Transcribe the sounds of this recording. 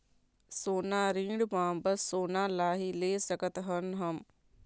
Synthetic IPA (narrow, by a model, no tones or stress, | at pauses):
soːnaːɾiɖpãːmbɐsoːnaːlaːɦileːsɐkɐt̪ɦɐnɦɐm